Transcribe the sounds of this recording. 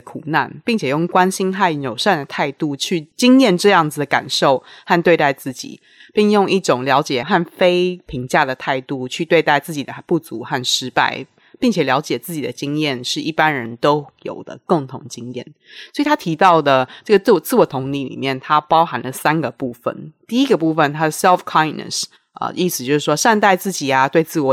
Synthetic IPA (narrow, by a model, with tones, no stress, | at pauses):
kʰu˨˩na̰˥˨npi˥˩ŋt͡ɕʰjɛ˨˩jʊ˥˩ŋkwa˥nɕi˥nxa˥˩ɪnjo˨˩ʊʂa˥˧˩nd̪ə˩t̪ʰa˥˧ɪt̪u˥˧t͡ɕʰy˥˩t͡ɕi˥ŋjɛ˥˨nʈ͡ʂɤ˥˧jɑ˥˩ŋd͡z̩˩d̪ə˩ka̰˨˩nʂo˥˩ʊha˥˧nt̪we˥˧t̪a˥˧ɪt͡sɹ̩˥˩t͡ɕḭ˨˩˦ | pi˥˧ŋjʊ˥˧ŋi˥˩ʈ͡ʂʊ˨˩ŋljɑ˧˥ʊt͡ɕjɛ˨˩xa˥˩nfe˥ɪpʰi˧˥ŋt͡ɕja˥˩d̪ə˩t̪ʰa˥˧ɪt̪u˥˧t͡ɕʰy˥˧t̪we˥˧ɪt̪a˥˧ɪt͡sɹ̩˥˩t͡ɕi˨˩d̪ə˦pu˥˩t͡su˨˥˦xa˥˩nʂɻ̩˥pa̰˥˩ɪ | pi˥˩ŋt͡ɕʰjɛ˨˩ljɑ˧˥ʊt͡ɕjɛ˨˩t͡sɹ̩˥˩t͡ɕi˨˩d̪ə˦t͡ɕi˦˥ŋjɛ˥˩nʂɻ̩˥˩i˥˩pa˦nɻə˧˦nt̪o˥ʊjo̰˨˩ʊd̪ə̰˦ko˥˩ŋt̪ʰʊ̰˧˥ŋt͡ɕi˥ŋjɛ̰˥˩n | swɔ˧˥i˨t̪ʰa˥t̪ʰi˧˥t̪ɑ˥˩ʊd̪ə˩ʈ͡ʂɤ˥˩ɡə˩t͡s̩˥˩˧t͡sɹ̩˥˩wɔ˨˩t̪ʰʊ˧˥ŋt̪i˧˥lḭ˨˩mjɛ˥˩nt̪ʰa˥pɑ˥ʊxa˧˥nlə˨sa˦nɡə˨pu˥˩fə̰˨˩nt̪i˥i˦˥ɡə˨˧pu˥˧fə˥˨nt̪ʰa˥˩sɛ˥lfkʰa˥ɪnnə̰˨˩s | ə̰˧˩ʔi˥˩sɨ˨t͡ɕjo˥˧ʊʂ̩˥˩ʂwɔ˥ʂa˥˧nt̪a˥˧ɪt͡sɹ̩˥˩t͡ɕi˨˩ɐ˩t̪we˥˧ɪt͡sɹ̩˥˩wɔ˨˥